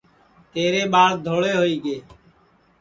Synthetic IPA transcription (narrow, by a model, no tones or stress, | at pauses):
t̪eːɾeːɓaːɭd̪ʱoːɽeːɦoːiːɡeː